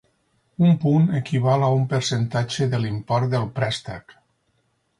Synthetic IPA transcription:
umpunekiβalaumpəɾsent̪ad͡ʒeðəlimpɔɾt̪̚d̪əlˠpɾɛst̪ak

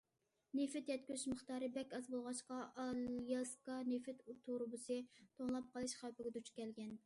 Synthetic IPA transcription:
nefɪt̪jɛt̪̚kʲyzyʃmɨχt̪ɑːɾɨbɛkʲɑzbolˠʁɑʃqɑɑljɑskɑnefɪt̪t̪ʰːoɾɨbusɨt̪ʰoŋlˠɑp̚qʰɑlˠɨʃχɑwpɪɡʲɛd̪ut͡ʃkʲʰɛlɡʲɛn

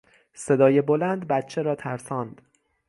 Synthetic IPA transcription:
se̞d̪ɒːje̞bolænd̪bæt̪t͡ʃʰe̞ɾɒːt̪ʰæɾsɒːnd̪̥

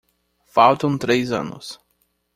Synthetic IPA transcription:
fawt̪ɐ̃w̃t̪ɾejzɐ̰̃nʊ̰s

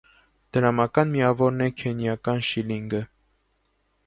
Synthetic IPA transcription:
d̪̥əɾɑmɑkɑnmijɑvɔɾnɛkʰɛnjɑkɑnʃiliŋɡə

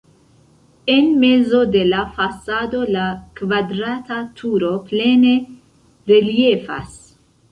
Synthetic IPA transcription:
enme̞zo̞d̪e̞lafasad̪o̞lakvad̪ɾat̪at̪ʰuɾo̞ple̞ne̞ | ɾeljefa̰s

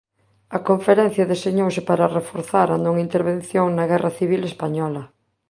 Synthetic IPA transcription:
ɐkoɱfeɾɛ̃n̟θjɐðeseɲowsɪpaɾarefoɾθaɾɐnõŋint̪eɾβẽnθjoŋnɐɣɛrʔaθiβilespaɲɔlɐ

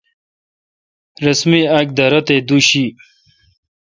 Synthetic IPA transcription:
ɾɐsmiak̚d̪ɐɾɐt̪ed̪uɕi

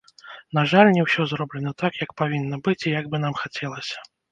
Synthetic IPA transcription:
naʐalʲnʲɛwsʲɔzrɔblʲɛnɐt̪akjɐk̚pavʲinːɐbɨt͡sʲijɐɡ̚bɨnamxat͡sʲɛlˠɐsʲɐ̥

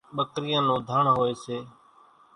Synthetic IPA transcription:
ɓəkɾɪjãːnõːd̪ʱaːɳɦoːeːseː

